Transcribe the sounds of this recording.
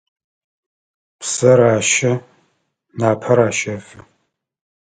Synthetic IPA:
pʰsɐɾaːʃɐ | naːpʰɐɾaːʃɐfɨ

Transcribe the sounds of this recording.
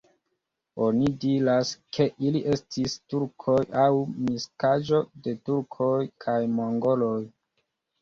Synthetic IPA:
o̞nidiɾaskʰe̞ʔiliʔe̞stistuɾkʰo̞jawmiskaʒo̞de̞tuɾkʰo̞jkʰajmoŋɡo̞lo̞j

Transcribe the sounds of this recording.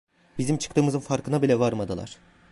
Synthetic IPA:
bizimt͡ʃʰɯ̥kt̪ɯːmɯzɯnfaɾkɯnabilʲɛvaɾmad̪ɯlˠa̰ɾ̥

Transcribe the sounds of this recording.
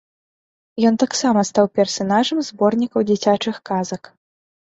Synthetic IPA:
jɔnt̪aksamɐst̪awpʲɛrsanaʐɐmzbɔrnʲikɐwd͡zʲit͡sʲat͡ʂɨxkazɐk

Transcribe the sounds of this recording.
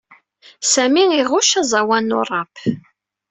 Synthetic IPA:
sæmiiʁʊʃæzˤɑwænːʊ̰rˤːɑp

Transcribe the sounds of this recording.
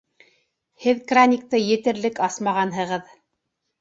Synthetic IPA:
hɘðkranʲik̚t̪ɤjɘ̆t̪ɘ̆ɾlɘkɑsmɑʁɑnɦɤ̆ʁɤð

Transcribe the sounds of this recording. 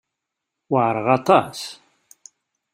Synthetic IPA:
wəʕɾˤəʁɑt̪ˤɑs

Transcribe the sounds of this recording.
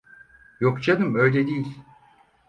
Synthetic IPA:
jokt͡ʃʰad̪ɯmø̞jlʲɛd̪ijilʲ

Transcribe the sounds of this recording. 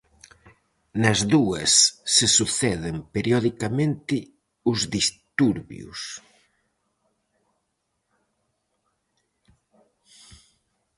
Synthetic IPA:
nɐzðuɐsːesuθɛðɪmpeɾjɔðikamẽnt̪ɪ | ʊzðist̪uɾβjṵs

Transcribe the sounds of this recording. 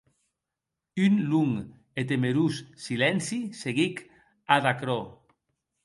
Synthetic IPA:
ynluŋ | et̪̬emeɾusːilɛnsiseɣik | aðakɾɔ

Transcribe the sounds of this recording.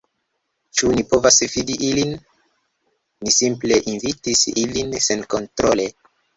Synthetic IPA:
t͡ʃunipo̞vasvidiʔilin | isimple̞ʔinvitisilinse̞nko̞ntɾole̞

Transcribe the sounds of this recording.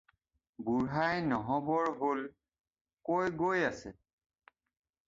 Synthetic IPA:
buɹɦajnɔɦɔbɔɹɦol | kojɡojasɛ

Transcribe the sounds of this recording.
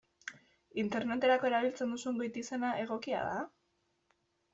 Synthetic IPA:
int̪e̞ɾne̞t̪e̞ɾako̞e̞ɾaβ̞ilt͡se̞nd̪usuŋɡojt̪ise̞naʔe̞ɣ̞o̞kia̰ða̰

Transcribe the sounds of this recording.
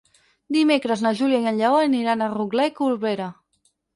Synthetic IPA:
d̪imekɾəznəʒuljajəɲʎaoəniɾanəruɡlaikuɾβeɾa

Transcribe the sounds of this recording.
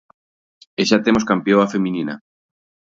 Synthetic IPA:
eʃat̪emoskampjoafemĩnina̰

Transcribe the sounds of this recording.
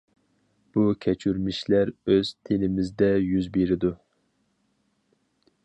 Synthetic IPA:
b̥ukʲʰɛt͡ʃʰyɾmiʃlæɾøz̥t̪ʰenɪmɪzd̪ɛjyzbeɾɪd̪u

